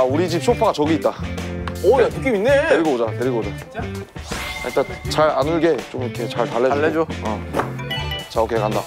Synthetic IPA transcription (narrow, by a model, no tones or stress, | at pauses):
auɾid͡ʑip̚ɕʰopʰaɡat͡ɕʌɡiːt̚t͈a | ojatuk͈iminːeteɾiɡʌbod͡ʑateɾiɡobod͡ʑa | a̰ɲit͈ant͡ɕaɾanɯɭɡe̞t͡ɕomiikʰe̞t͡ɕaɭtaɭːeɭːed͡ʑoʌ | t͡ɕaokʰekɦanda